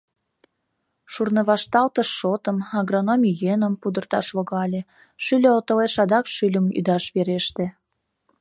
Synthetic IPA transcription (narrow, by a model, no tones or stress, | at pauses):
ʃurnəβɑʃt̪ɑlt̪əʃːot̪əmɑɡronomʲijenəmpud̪ərt̪ɑ̰ʃβoɣɑlʲe | ʃylʲøot̪əleʃɑd̪ɑkʃylʲəmy̰d̪ɑʃβeɾeʃt̪ĕ